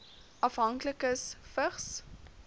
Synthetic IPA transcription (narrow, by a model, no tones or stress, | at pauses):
ɐfɦɐŋkləkəsfəχs